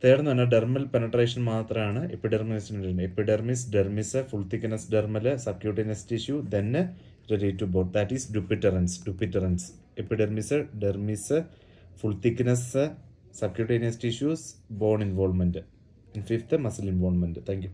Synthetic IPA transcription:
t̪eːɽɐnːɨɐʋɐnːɐɖermɐlpenɐʈreːʂɐnmaːt̪rɐmaːɳɨepːiɖɐrminisnnɐɾumepːiɖermisɖermisɨfuɭt̪ikʲːinɐsɖermɐlɨsɐb̚kʲjuːɾʈinɐstiʂjud̪en | ɾeɾiːtːuboːɖd̪ɐtːisɖupːiʈːɐrɐnsɖupːitːɐrɐns | epːiɖermisɨɖermisɨ | fuɭt̪ikʲːnɐsɨ | sɐb̚kʲjuːʈinestiʃjuːsbo̞ːrɳinʋoːlmɐndɨ | infift̪ɨmɐsilinʋoːlmɐndɨt̪ʰæːŋkju

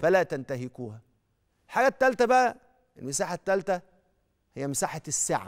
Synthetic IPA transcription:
fælæːt̪ænt̪æɦekuːhæ | elħaːɡæt̪ːælt̪æbæʔæ | elmesaːħat̪ːælt̪æ | hejːæmɪsaːħasːḛʕ

